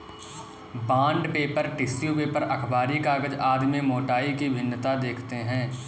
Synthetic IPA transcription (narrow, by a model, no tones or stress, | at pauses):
bãːɳɖpeːpəɾʈɪsjupeːpəɾɐkʰbaːɾikaːɡəd͡ʒaːd̪mẽmoːʈaːikibʱɪnːət̪ad̪eːkʰt̪eɦɛ̃ː